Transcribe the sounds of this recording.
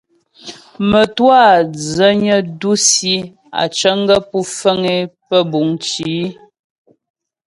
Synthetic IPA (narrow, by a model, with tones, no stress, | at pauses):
mə˨twa˦˨d͡zə˦ɲə˦du˦si˦ | a̰˨t͡ʃə˦ŋ˦ɡə˦pu˦fə˦ŋe˦pə˦bu˨˦ŋt͡ʃiː˨˦